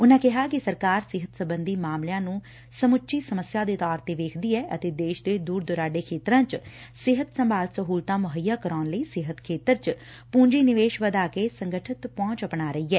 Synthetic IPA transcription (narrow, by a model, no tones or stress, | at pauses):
ʊnãːkɪɦaːkɪsəɾkaːɾsɪɦət̪səbənd̪iːmaːmljãːnũː | səmʊʃiːsəməsjaːd̪eːt̪ɔːɾt̪eːʋeːkʰd̪iːɛːʔət̪eːd̪eːʃd̪eːd̪uːɾd̪ʊɾaːɖeːkʰeːt̪ɾãːt͡ʃsɪɦət̪səmbʱaːlsəɦuːlt̪ãːmʊɦəjːaːkəɾɔːnləiːsɪɦət̪kʰeːt̪əɾt͡ʃ | pũːɲd͡ʒiːnɪʋeːʃʋəd̪aːkeːsəŋɡəʈʰət̪pɔ̃ːt͡ʃəpɳaːɾəiːɛː